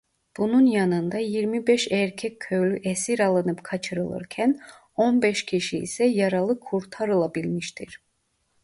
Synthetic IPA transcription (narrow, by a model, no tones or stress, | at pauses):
b̥ununjɑnɯnd̪ɑjiɾmibɛʃɛɾcʰɛcʲʰːøjlʲyʔɛsiɾɑlˠɯnɯpkʰɑt͡ʃʰɯɾɯlˠɯ̰ɾcʰæn | o̞nbɛʃcʰiʃḭːsɛjɑɾɑlˠɯkʰːuɾt̪ʰaɾɯlˠabilʲmiʃt̪ʰiɾ̥